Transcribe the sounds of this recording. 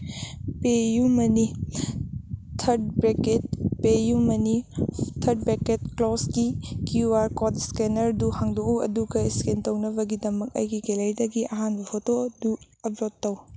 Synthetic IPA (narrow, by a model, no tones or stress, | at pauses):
pejumɐni | tʰɐɾd̚beket̚pejumɐnitʰɐɾd̚beket̚klɔsɡikjuwaɾkodskenɐɾduhaŋdokuɐduɡɐiskentɐwnɐbɐɡidɐmɐk̚ɐ̰jɡikelɐjdɐɡiʔɐ̰ɦanbɐhʰotodu | ɐbɾotːɐw